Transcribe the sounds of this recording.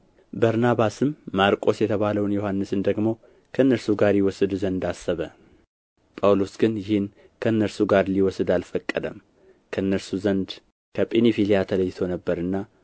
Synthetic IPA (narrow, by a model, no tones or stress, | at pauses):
bəɾnaβasɨmːaɾkʼo̞sjɛt̪ʰəβaləwnjohanːɨsɨnd̪əɡmo̞ | kʰəɨnːəɾsuɡaɾjɪwɔsɨd̪zənd̪asːəβə | pʼawlosɡɨnjɪhɪn | kʰəɨnːəɾsuɡaɾliwɔsɨd̪alfəkʼːəd̪əm | kʰəɨnːəɾsuzənd̪ | kʰəpʼenifilijat̪ʰələjːɪt̪ʰo̞nəbːəɾɨnːa